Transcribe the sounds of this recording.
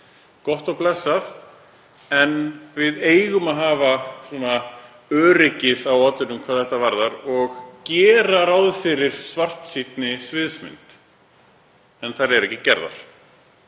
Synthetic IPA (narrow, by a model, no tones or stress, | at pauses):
kɔht̪ɔɣplɛsːaθ | ɛnvɪðeːjɣʏmaðɦaːvasɛna | œːɾɪcɪðawɔːt̪ʏnʏmkʰvaːðθɛht̪avaɾðaɾɔɣcɛːɾaɾawðfɪɾɪɾ̥svar̥t̪sit̪nɪsvɪðsmɪ̰nt̪ | ɛnθaɾɛɾɛhcːɪcɛɾða̰ɾ̥